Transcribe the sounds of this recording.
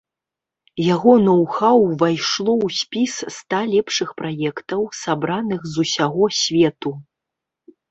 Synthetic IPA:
jaɣɔnɐwxawvajʂlˠɔwsʲpʲisst̪alʲɛpʂɨxpɾajɛkt̪ɐwsabɾanɨxzusʲaɣɔsʲvʲɛt̪u

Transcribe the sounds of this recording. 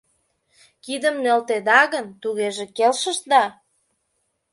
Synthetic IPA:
kid̪əmnølt̪ed̪ɑɣənt̪uɣeʒĕkelʃə̆ʃd̪ɑ

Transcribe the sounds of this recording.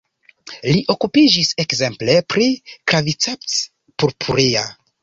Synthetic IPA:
liʔo̞kupid͡ʒisekze̞mple̞pɾikɾavit͡sept͡s | puɾpʰuɾia

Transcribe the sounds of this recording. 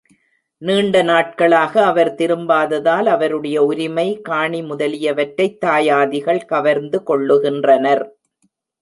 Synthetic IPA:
niːɳɖɐnaːʈ̚kɐɭaːɣɐːʋɐɾt̪ɪɾɯmbaːðɐðaːlɐʋɐɾɯɽɐjɐʊɾɪmɐɪkaːɳimʊðɐlɪjɐʋɐʈɾɐɪt̪ːaːjaːðɪɣɐɭkɐʋɐɾnd̪ɯkɔɭːɯɣɪndrɐnɐɾ

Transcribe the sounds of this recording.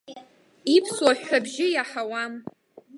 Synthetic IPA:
ipʰswaħʷᶣabʒɪjaħawam

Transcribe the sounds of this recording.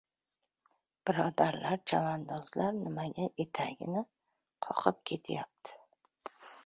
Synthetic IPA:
b̥ɪɾɒd̪aɾlaɾt͡ʃʰamand̪ɒzlaɾnɪmaɡʲaʔe̞t̪ʰaɡʲɪ̰nɪ | qʰɒ̰qʰɨp̚kʲʰe̞t̪ʰajap̚t̪ʰɪ̥

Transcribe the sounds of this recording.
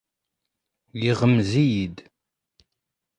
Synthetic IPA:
jiʁəmzijid̪

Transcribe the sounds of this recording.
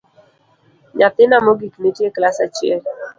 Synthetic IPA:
ɲat̪ɪnamɔɡiknitjeklasat͡ʃɪɛl

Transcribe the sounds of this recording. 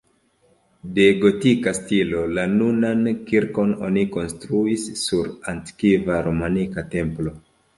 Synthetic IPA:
de̞ɡo̞tikastilo̞lanunankiɾko̞no̞̰niko̞nstɾuisːuɾanti̥kivaɾomanikate̞mplo̞

